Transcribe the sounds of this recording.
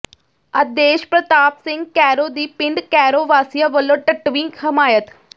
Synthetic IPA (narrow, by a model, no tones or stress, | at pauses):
əd̪eːʃpɾət̪aːpsɪ̃ŋɡ̚kɛːɾoːd̪iːpɪɳɖkɛːɾoːʋaːsijaʋəlõːʈəʈʋĩːkʰəmaːjət̪